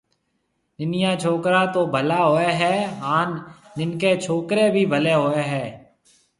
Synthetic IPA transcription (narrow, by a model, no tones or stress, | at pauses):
nɪnɪjãːt͡ʃʰoːkɾaːt̪oːbʱəlaːɦoːeːɦɛːaːnːɪnkeːt͡ʃʰoːkɾeːbʱiːbʱəleːɦoːeːɦɛː